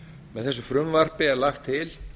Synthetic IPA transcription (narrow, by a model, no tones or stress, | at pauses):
mɛðθɛs̬ʏfɾʏmvar̥pɪɛɾlaxt̪ʰːɪl